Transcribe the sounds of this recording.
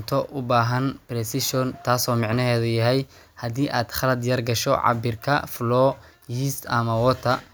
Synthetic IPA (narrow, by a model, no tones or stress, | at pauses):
t̪ʰɔʔʊbaːɦɐnpɾɛsɪʃɔnt̪ʰaːsɔːmɪʕnɐɦɛːðʊjɐɦɛj | hɐd̪iːʔaːd̪χɐlɐd̪jɐrɡɐʃɔ̰ʕɑ̰bɪrkʰɐ̰flɔː | jiːst̪ɐmɐwɔt̪ʰɐ